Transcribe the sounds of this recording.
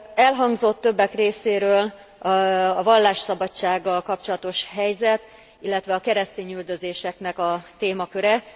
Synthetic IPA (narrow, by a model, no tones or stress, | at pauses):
ɛlɦɒŋɡzo̞t̪ːø̞bːɛkreːseːɾøːl | ɒvɒlːaːʃsɒbɒt͡ʃːaːɡːɒlkɒp̚t͡ʃo̞lɒt̪o̞ʃɦɛjzɛt̪ | ilːɛt̪ʋɛɒkɛɾɛst̪eːɲyld̪ø̞zeːʃɛknɛkɒt̪eːmɒkøɾɛ